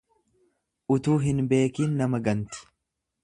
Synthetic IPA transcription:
ʔʊt̪uːɦɪnbe̞ːkiːnːɐmɐɡɐnt̪ʊ̥

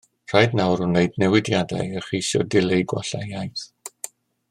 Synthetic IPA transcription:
r̥ajdnawrʊnejdnɛwɪdjada̰jəχijsɔ̰dɪlejɡwɔ̰ɬajajθ

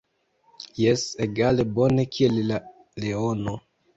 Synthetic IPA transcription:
jeseɡale̞bo̞ne̞kʰiella | leono

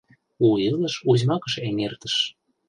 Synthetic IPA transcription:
uiləʃuʑʲmɑkə̆ʃemert̪ə̥̆ʃ

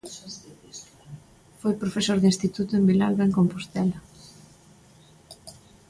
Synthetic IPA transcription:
fojpɾofesoɾðinst̪it̪ut̪ʊembilalɣaeŋkompost̪ɛla

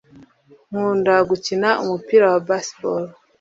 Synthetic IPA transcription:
ŋ̥uːndaɡucinaʔumupiːɾawabaspoɾ

